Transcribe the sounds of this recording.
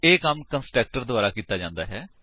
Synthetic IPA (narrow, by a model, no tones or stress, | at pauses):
eːkəmkənsʈɾɛːk̚ʈəɾd̪ʊaːɾaːkiːt̪aːd͡ʒãːnd̪a̰ːɦɛː